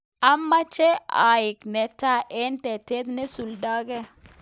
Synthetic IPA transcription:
a˨mːa˦t͡ʃe˦a̰˨jɪ˨knɛ˨ta˦ʔe˦ntɛ˨te˦t̪ne˦su˨lda˦ɡɛ˦

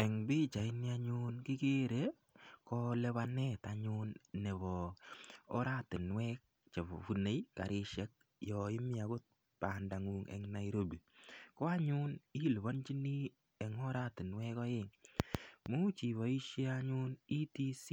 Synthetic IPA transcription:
ɛ˨ŋbɪ˦t͡ʃa˨ɪ˦ni˦a˦ɲʊnkɪ˦ke˦ɾe˨ | kɔ˦lɛ˦βa˦nɛ˦ta˨ɲʊnːɛ˨bɔ̰ː˨˦ | ɾa˦tɪ˨nwɛ˦k̚ | t͡ʃe˨βo̰˨fu˨ne˦jka̰˨ɾɪ˦ʃɛ˦k̚ | jɔ˨ɪ˦mɪ˦a˨ɡʊ˦t̚ | pa˨nda˨ŋu˨ŋɛ̰ŋna˨iɾo˦bi˨kɔ˦a˦ɲʊ˦ni˦lβɔ˦nt͡ʃi˦ni˦ | ɛ˨ŋɔ˦ɾa˦tɪ˨nwɛ˦kɔ˦jɪ˦ŋ | mu˦t͡ʃi˨βɔ˨i˦ʃe˦aɲʊ˦ni˦ti˦si˦

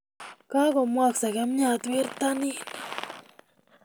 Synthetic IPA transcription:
ka˦ko˨mwa˦ksa˨ke˦mɲa˧t̪wi˦ɾt̪a˦ni˦na

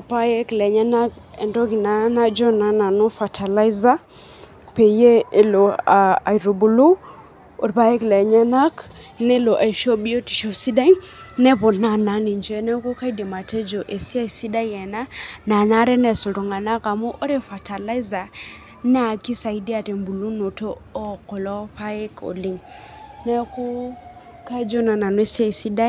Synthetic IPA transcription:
pa˦jɛ˦klɛ˨ɲa˦na˦kɛ̰˨ndɔ˦ki˨na˦na˦d͡ʒɔ˦na˨˦na˨no˦fa˨tʰa˨la˦i˦za˦ | pe˨je˦e˦lɔ˨a˨a̰˨i˨ɾu˨bu˨lu˦ | o˨ɾi˨pa˦jɛ˦klɛ˨ɲa˦na˦k | nɛ˦lɔ˨ʔa˨i˨ʃɔ˦bi˦o˦ti̥˨ʃɔ˨si˦da˦i | nɛ˦pɔ˨na˨na˨˦ni˨nd͡ʒɛ˦nɛ˦ku˦ka˦i˦de˨ma˨tɛ˦d͡ʒo˨ʔe˨si˦a˦˨i˨si˦da˦jɛ˨na˦na˨na˦ɾɛ˦nɛ˨so˨tu˨ŋɡa˨na˦ka˨mo˦ʔo˦ɾɛ˦fa˨ta˨la˦za˨ | nɛ˦a˨ki˦sa˨i˦di˦a˨te˨mbu˨lu˦no˨toː˦kɔ˨lɔ˦pa˦je˦ko̰˨li˦ŋ | nɛ˦ku˦ | ka˦d͡ʒo˦na˨na˨nwe˦si˦a˦i˨si˦da˦

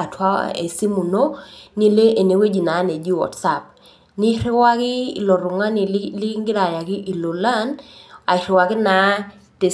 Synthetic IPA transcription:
a˨tʰwa˦ḛ˨si˦mu˨no˦ni˦le˦ʔe˨ne˨we˦d͡ʒi˨na˨˦ne˨d͡ʒi˦wɔ̰˨tsa˦˨p̚ | ni˦ɾɪ˦wa˦kɪ˦ḭ˨lɔ˨ɾʊ˨ŋa˦ni˨˦lɪ˦ŋɡɪ˦ɾa˨ja˨ɡɪ˦ʔi˨lo˨la˦na˨ɪ˨ɾɪ˨wa˨ɡɪ˦na˨˦ | te˨

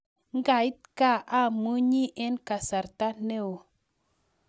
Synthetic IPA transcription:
ŋ˦ɡa˨i˦t̚ka˦˨ʔa˦˨mu˦ɲi˦ʔe˦nka˨sa˨ɾta˦ne˦˨wo˨

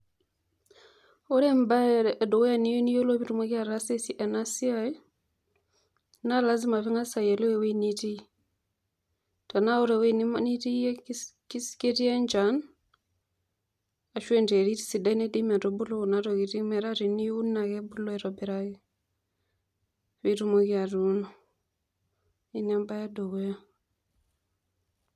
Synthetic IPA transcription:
o˦ɾe˦mba˦˨do˨wja˨ni˦jo˦ni˦jo˦lo˦pi˦tu˨ma˦ki˦a˨ɾa˦se˦si˦ʔa˨na˦si˦aj | na˦la˦zi˦ma˨fi˦ŋa˦sa˨je˨lo˦e˨we˦ni˦ti˦ | ta˨na˦o˦ɾa˨we˦ni˦mni˦ti˦ki˦ske˦ti˦ja˦nd͡ʒan | a˨ʃwe˦nte˨ɾi˦ti̥˦si˨da˦ine˦di˦ma˨to˨bu˦lo˦u˨na˦ɾo˨ki˨ti˦mɛ˨ɾa˦ɾi˨ni˦u˦nːa˨ke˦bu˦lo˦ɛ˨ɾo˨bɛ˨ɾa˦ki˦ | fi˦ɾu˦mo˦ki˦a˨ɾuno˨ | i˦na˦mba˦ja˦do˨ɡo˦ja˦

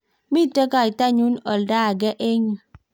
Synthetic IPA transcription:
mi˦tə˦ka˦i˨ta˦ɲu˦nɔ˨lda˦˨ɡɛ˦ʔe˦ŋ˨

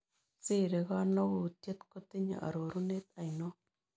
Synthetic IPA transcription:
t͡si˦ɾe˨ɣa˦no˦ɡu˨t̪je˦t̪ko˦t̪e˦ɲa̰˨ʔa̰˨ɾo˨ɾu˦ne˦t̪a˨jno˦

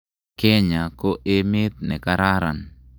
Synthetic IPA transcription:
ke˦ɲa˨ko˦ʔe˦mɪ˦t̪̚nɛ˨kaɾa˦ɾa̰n

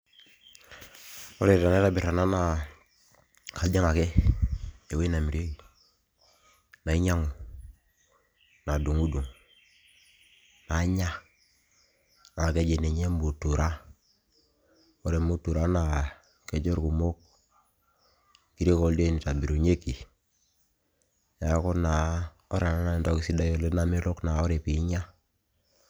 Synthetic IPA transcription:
o˦ɾe˦˨ta˨n˦e˦ta˦bi˨ɾa˨na˦na˨ | kʰa˨lde˦ŋa˨ke˦ | e˨we˦na˨mi˨ɾo˦i˨ | na˨i˦ɲa˦ŋu˨ | na˨du˨ŋu˦du˨ŋ | na˨˦ɲa˦ | na˨ke˦d͡ʒe˨ne˨ɲe˦mbu˨tu˨ɾa˦ | o˦ɾe˨mu˦tu˨ɾa˦na˨ | ke˨d͡ʒo˦ɾku˨mo˦k̚ | ki˦ɾe˦ko˦lde˦˨ni˨ta˨bi˨ɾo˨ɲe˦ki˨ | ja˨˦ko˦na˨ | o˦ɾa˨na˦na˦i˨ndɔ˦ki˨˦si˦da˦jo˦le˦na˦mi˦lo˦kna˨o˦ɾe˨pi˨˦ɲa˦

